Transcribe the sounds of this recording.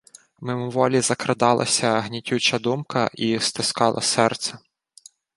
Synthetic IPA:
memʊʋɔlʲizɐkɾɐd̪ɑlˠɐ̰sʲɐɦnʲitʲut͡ʃɐd̪umkɐʔist̪ɪskɑlˠʔɐ̰sɛrt̪sɛ

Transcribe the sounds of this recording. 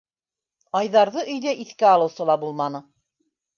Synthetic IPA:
ɑjðɑɾðɤʔɵ̆jðæʔiθkæɑlˠɤ̆wsɤlˠɑbulˠmɑnɤ

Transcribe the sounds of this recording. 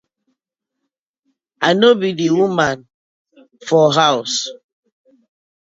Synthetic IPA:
anobidiwuman | fɔɦaʊs

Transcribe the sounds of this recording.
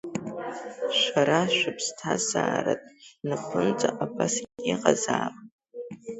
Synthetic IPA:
ʃʷaɾaʃʷᶣʊpʰstʰaza̰ːɾa̰tʼnɨpʰɨnt͡sʼaʔabasɡʲiqʼazaːpʼ

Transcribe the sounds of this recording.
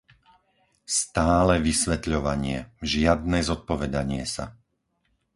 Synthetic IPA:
st̪aːlɛʋisʋɛt̪ʎɔʋaɲɪɛʒɪad̪̚nɛzɔt̪̚pɔʋɛd̪aɲɪɛsa̰

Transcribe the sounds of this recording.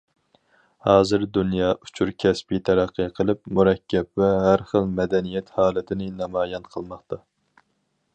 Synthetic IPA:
hɑːzɨɾd̪unjɑːʔu̥t͡ʃʰuɾkʲʰɛspit̪ʰɛɾæqʰːɨqʰəlˠɨp̚muɾɛkʲːɛpvɛɦæɾχəlˠmɛd̪ɛnijɛt̪hɑːlˠɨt̪ʰɪnɪnɑmɑːjɑnqʰəlˠmɑχt̪ɑ

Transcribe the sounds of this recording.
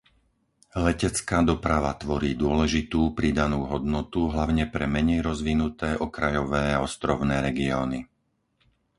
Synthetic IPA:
lɛcɛt͡skaːd̪ɔpɾaʋat̪ʋɔɾiːd̪ʊɔlɛʒit̪uːpɾid̪anuːɦɔd̪nɔt̪uɦlaʊɲɛpɾɛmɛɲɛjɾɔzʋinut̪ɛːʔɔkɾajɔʋɛːaɔst̪ɾɔʊnɛːɾɛɡiɔːni

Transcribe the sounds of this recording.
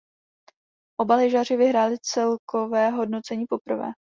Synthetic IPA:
ʔo̞balɛʒar̝ɪvɪɦɾaːlɪt͡sɛlkʰo̞vɛːɦo̞dnot͡sɛɲiːpo̞pr̩vɛ̰ː

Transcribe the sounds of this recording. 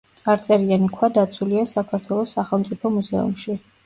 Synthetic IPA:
sʼaɾt̪sʼɛɾianikʰwad̪at̪sʰuliasakʰaɾt̪ʰwɛlˠɔsːaχɛlˠmpt̪sʼipʰɔmuzɛ̰ṵmʃi

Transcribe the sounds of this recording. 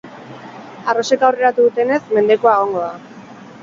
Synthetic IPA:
aro̞se̞kawre̞ɾat̪uðut̪e̞ne̞sme̞nd̪e̞koaeɣ̞o̞ŋɡo̞ða

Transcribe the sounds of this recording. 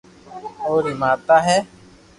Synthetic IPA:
oːɾɪmaːt̪aːɦɛː

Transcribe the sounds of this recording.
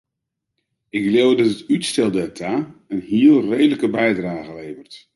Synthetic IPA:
ɪklewdɑtətytstɛlˠdɛtʰaənhiəlˠrejdələkəbɛjdraːɣəlejvərt

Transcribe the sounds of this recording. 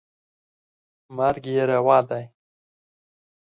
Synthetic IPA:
maɾɡjeɾawɑːd̪aj

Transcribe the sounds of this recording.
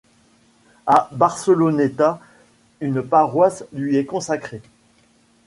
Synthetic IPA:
abaʁsəlonet̪a | ynpaʁwaslɥiɛkɔ̃sakχe

